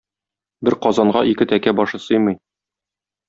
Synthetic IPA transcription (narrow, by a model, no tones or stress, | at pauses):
bɘɾqɒzɑɴɢɑʔikɘt̪ækæbɒʃɤsɤjmɤj